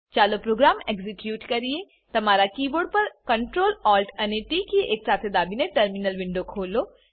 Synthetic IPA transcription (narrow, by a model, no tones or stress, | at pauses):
t͡ʃaːlopɾoːɡɾaːmeːkzɪkjuːʈkɐɾie | t̪ɐmaːɾakiːboːɾɖ̚pɐɾkɐ̃ɳʈɾoːlɔːlʈɐneʈiːkiʔeːk̚saːt̪ʰed̪aːbinẽʈəɾmɪnəlʋɪ̃ɳɖokʰoːloː